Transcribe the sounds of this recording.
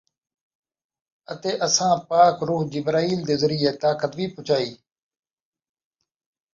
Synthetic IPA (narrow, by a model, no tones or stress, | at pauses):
ət̪eːʔəsãːpaːkɾuːɦd͡ʒɪbɾaːiːld̪eːzəɾiːeːt̪aːkət̪ʋiːpʊt͡ʃʰaːiː